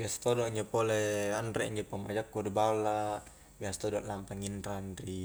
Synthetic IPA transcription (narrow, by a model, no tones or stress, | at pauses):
biast̪odɔʔɲd͡ʒapolɛanɾɛɲd͡ʒapəma̰d͡ʒakːudbala | biast̪ɔdɔʔlampaŋindɾandɾi